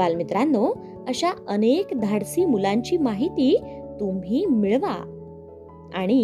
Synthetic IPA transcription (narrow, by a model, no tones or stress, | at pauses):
almit̪ɾanːo | əɕaənekd̪ʱaɽsiːmulaɲt͡ɕiːmaɦit̪iːt̪umɦiːmiɭʋa̰ | aɽ̃i